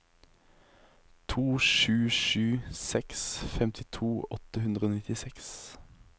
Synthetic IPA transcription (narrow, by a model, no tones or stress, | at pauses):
t̪ʰuːʃʉːʃʉːsɛksfɛmt̪ʰɪt̪ʰuːɔt̪əhʉnd̪ʁəoːnɪt̪ɪsɛks